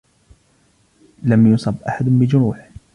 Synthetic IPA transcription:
lamjʊsˤɑbʔa̰ħad̪bɪd͡ʒʊɾuːħ

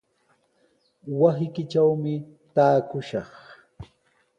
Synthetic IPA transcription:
wasɪkɪt͡ʃawmɪ | t̪aːkʊʃɑχ

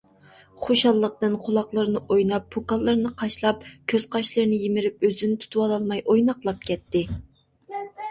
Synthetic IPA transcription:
χoʃɑlˠːəqt̪ɨnqʰʊlˠɑχlˠəɾnɨʔojnɑpːukɑlˠːɨɾnɨqʰɑʃlˠɑp̚kʲʰøz̥qʰɑʃlˠɨɾnɪjimɪɾɪp̚øzynɪt̪ʰu̥t̪ʰuwɑlˠɑlˠmɑjʔojnɑqlˠɑp̚kʲʰɛt̪ʰːɪ

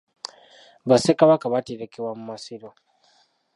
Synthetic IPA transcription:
βasekaβakaβateɾekewamumasiɾo

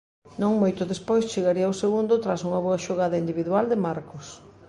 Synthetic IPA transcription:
nõŋmojt̪ʊðespojst͡ʃeɣaɾiawseɣund̪ʊt̪ɾasuŋɐβoɐʃoɣaðɐind̪iβiðuald̪emaɾkʊs

